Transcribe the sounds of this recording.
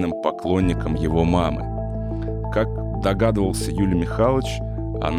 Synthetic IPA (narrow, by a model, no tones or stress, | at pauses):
nɨmpɐklˠo̞nʲːɪkəmjɪvo̞mamɨ̰ | kak̚ | d̪ɐɡad̪əvəlˠsʲəjulʲmʲɪxalˠət͡ɕ | ɐ̰n